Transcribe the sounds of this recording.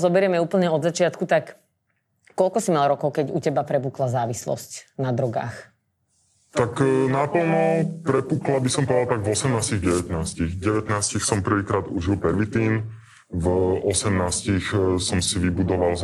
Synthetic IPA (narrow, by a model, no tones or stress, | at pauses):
zɔbɛɾɪɛmɛuːpl̩ɲɛɔd̪zat͡ʃɪat̪kut̪akː | ɔlkɔsimalɾɔkɔʊkɛɟṵcɛbapɾɛpuːklazaːʋislɔ̰scnad̪ɾɔɡa̰ːx | t̪aknapl̩ˠnɔpɾɛpuːklabisɔmpɔd̪alt̪aɡvɔsɛmnaːsciɣɟɛʋɛt̪naːsciɣɟɛʋɛt̪naːscixsɔmpr̩ʋiːkɾaːd̪uʒilpɛɾʋit̪iːn | vɔsɛmnaːscixsɔmsiʋibud̪ɔʋal